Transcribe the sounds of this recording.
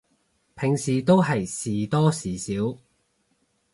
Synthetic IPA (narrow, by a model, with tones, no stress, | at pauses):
pʰɪ˨˩ŋsiː˨t̪o˥wɦɐ˨jsiː˨˩t̪ɔː˥siː˨˩siː˨˥w